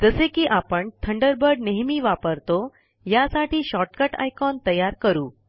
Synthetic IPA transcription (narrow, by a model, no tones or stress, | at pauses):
d͡zəsekiːʔapəɳt̪ʰəɳɖəɾbəɾɖneɦmiːʋapəɾt̪o | jasaʈiːɕɔʈkəʈa̰jkɔnt̪əjaɾkəɾuː